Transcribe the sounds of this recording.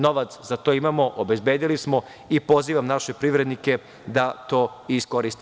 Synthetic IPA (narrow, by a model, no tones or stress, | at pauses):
no̞ʋat̪szat̪o̞imaːmo̞ʔobe̞zbe̞ːd̪ilismo̞ | ipo̞ziːʋamnaʃe̞pɾiʋɾe̞d̪nike̞ | d̪at̪o̞ː | isko̞ɾist̪i